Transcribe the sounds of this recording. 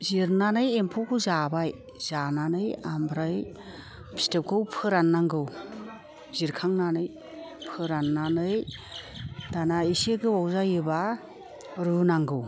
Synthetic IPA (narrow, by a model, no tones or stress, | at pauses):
ziɾnanɯjempʰɔkʰɯzabaj | z̥ananɯjambɾɯj | pʰi̥step̚kʰɯwpʰɯɾanːaŋɡɯw | ziɾkʰaŋnanɯj | pʰɯɾanːanɯj | danaiseɡɯwawzajɯba | ɾunaŋɡɯw